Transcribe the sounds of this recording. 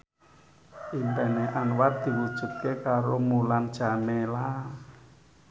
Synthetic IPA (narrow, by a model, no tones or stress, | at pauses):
ʔimp̪ɛneʔanwat̪̚d̪̥i̤wud̥ʒ̥ṳt̪̚kekaɾomuland̥ʒ̥a̤mela